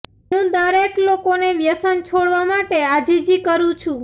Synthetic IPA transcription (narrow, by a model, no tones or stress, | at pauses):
ɦũd̪əɾeklokoneʋjəsənt͡ʃʰoɽʋamaʈead͡ʒid͡ʒikəɾũt͡ʃʰũ